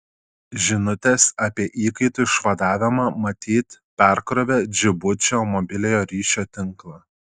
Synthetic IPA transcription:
ʒʲɪnʊt̪ʲesɐpʲiɛʔiːkɐɪt̪uɪʃʋɐd̪ɑːʋʲɪmɑmɐt̪ʲiːt̪pʲæˑɾkɾoʋʲɛd͡ʒʲɪbʊt͡ʃʲoːmɔbʲɪlʲɛjoːɾʲiːʃʲoːt̪ʲɪŋklˠɑː

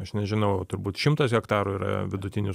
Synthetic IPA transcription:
ɐʃnʲɛʒʲɪnɐʊt̪ʊɾbuːt̪ʃʲɪmt̪ɐsɣʲɛkt̪ɑːɾuiːɾɐ̰ʋʲɪd̪ʊt̪ʲɪnʲʊ

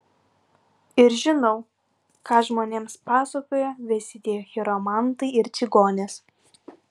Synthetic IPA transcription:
ɪɾʒʲɪnɐʊ | kɑːʒmoːnʲeːmspɑːsokoːjoʋʲɛsʲɪd̪ʲeːjoːxʲɪɾomɑˑnt̪ɐɪɪɾʲɪɡoːnʲes

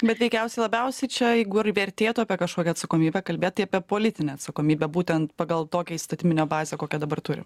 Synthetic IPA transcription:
bʲɛt̪ʋʲɛɪkʲɛʊsʲɛɪlˠɐbʲɛʊsʲɛɪt͡ʃʲɛjɛɪɡʊɪrʋʲɛɾʲt̪ʲeːt̪uɐpʲiɛkɐʃkoːkʲɛɐt̪sɐkoːmʲiːbʲɛkɐlʲbeːt̪t̪ɐɪɐpʲiɛpoːlʲɪt̪ʲɪnʲɛːɐt̪sɐkoːmʲiːbʲɛbuːt̪ʲɛnt̪pɐɡɐlˠt̪oːkʲɛist̪ɐt̪ʲɪmʲɪnʲoːbɑːzʲeːkoːkʲɛd̪ɐbɐrt̪ʊɾʲɪ̰

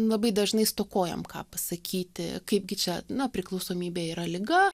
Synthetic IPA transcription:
lˠɐbɐɪd̪ɐʒnɐɪst̪oːkoːjɛ̰mkɑ̰ːpɐsɐkʲʰiːt̪ʲɪ̰kɐɪpɡʲɪt͡ʃʲɛnɐpʲɾʲɪklˠɐʊsoːmʲiːbʲeːiːɾɐlʲɪɡɐ

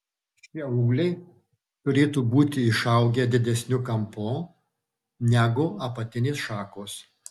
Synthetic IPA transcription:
ʃʲiɛuːlʲɛɪ | t̪ʊɾʲeːt̪uːbuːt̪ʲɪɪʃɐʊɡʲɛd̪ʲɪd̪ʲɛsʲnʲʊkɐmpoː | nʲæɡʊɐpɐt̪ʲɪnʲeːsʃɑːkoːs

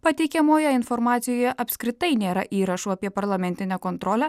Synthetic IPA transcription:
pɐt̪ʲɛɪkʲɛmoːjɛɪnfɔɾmɑːt̪sʲɪjoːjɛʔɐpʲsʲkɾʲɪt̪ɐɪnʲeːɾɐ̰ʔiːɾɐʃuːɐpʲiɛpɐɾlˠɐmʲɛnʲt̪ʲɪnʲɛkɔːnt̪ɾɔːlʲɛæ

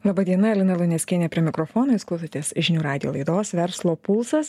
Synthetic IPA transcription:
lˠɑːbɐd̪ʲiɛnɐɛlʲɪnɐlˠʊnʲɛsʲkʲinʲɛːpʲɾʲiɛmʲɪkɾoːfoːnoːɪskʊt̪ot̪ʲeːsʒʲɪnʲuːɾɑːd̪ʲɪ̰jo̰ːlˠɐɪd̪oːsʋʲɛɾslˠoːpulˠsɐs

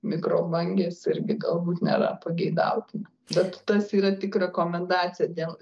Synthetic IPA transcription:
mʲɪkɾoːbɐŋʲɡʲeːsɪɾʲɡʲɪɡɐlˠbuːt̪nʲḛːɾɐ̰pɐɡʲɛɪd̪ɐ̰ʊt̪ʲɪnɐ | bʲɛt̪t̪ɐsiːɾɐt̪ʲɪkɾʲɛkoːmʲɛnd̪ɑːt͡sʲɪjɛd̪ʲeːlˠ

